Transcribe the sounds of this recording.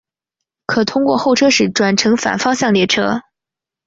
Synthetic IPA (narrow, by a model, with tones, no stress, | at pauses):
kʰɤ˨˩t̪ʰʊ˥ŋkwɔ̰˥˧xo˥˩ʊʈ͡ʂʰɤ˥ʂɻ̩˨˧˥ʈ͡ʂwa˨˩nʈ͡ʂʰɤ˧˥ŋfa̰˨˩nfɑ˥ŋɕjɑ˥˧ŋljɛ˥˩ʈ͡ʂʰɤ˥